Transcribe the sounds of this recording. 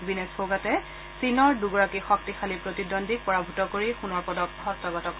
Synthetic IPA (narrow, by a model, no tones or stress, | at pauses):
binesbʰoɡatɛ | sinɔɹduɡɔɹakixɔk̚tixalipɹotidɔndʱik̚pɔɹabʱutɔkoɹixunɔɹpɔdɔkɦɔstɔɡɔtɔk